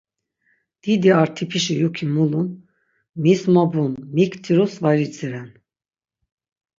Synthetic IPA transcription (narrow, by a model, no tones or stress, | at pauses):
d̪̥id̪iaɾt̪ʰipʰiʃijukʰimulun | mismabunmikt̪ʰiɾusvaɾit͡sʰʼiɾɛn